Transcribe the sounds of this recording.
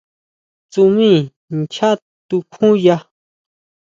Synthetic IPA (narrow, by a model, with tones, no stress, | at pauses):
t͡su˧mĩ˦˨ | nt͡ʃʰa˦ | t̪u˧kʰũ˦ja˧